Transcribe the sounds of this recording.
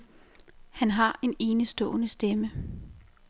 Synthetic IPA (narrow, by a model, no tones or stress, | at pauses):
hænɦɑ̈e̝ne̝ːnəsd̥ɔ̰̽ːnəsd̥emə